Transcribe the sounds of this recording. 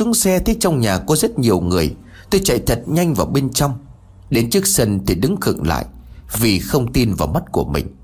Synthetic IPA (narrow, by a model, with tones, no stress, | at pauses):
su˨˦əŋsɛ˧t̪ʰe˨˦t͡ɕɔ˧wŋ͡mɲaː˨˩kɔ˨˦zə˦˥t̚ɲi˨˩əwŋɨ˨˩əj | t̪o˧jt͡ɕa̰˧˨jt̪ʰə˨˩t̚ɲa˧jŋ̟vaː˨˩wɓe˧nt͡ɕɔ˧wŋ͡m | ɗe˨˦nt͡ɕɨ˦˥ək̚sə˧nt̪ʰi˨˩ɗɨ˨˦ŋkɨ̰˧˨ŋla̰ː˧˨jʔ | vi˨˩xə˧wŋ͡mt̪i˧nvaː˨˩ma˦˥t̚ku˧˩əmï˨˩ŋ̟